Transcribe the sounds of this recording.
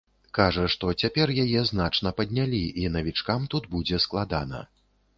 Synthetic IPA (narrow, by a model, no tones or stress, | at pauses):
kaʐɐʂt̪ɔt͡sʲapʲɛrjajɛznat͡ʂnɐpɐd̪ʲnʲalʲiʔinɐvʲit͡ʂkamt̪ud̪bud͡zʲɛsklˠad̪a̰nɐ̰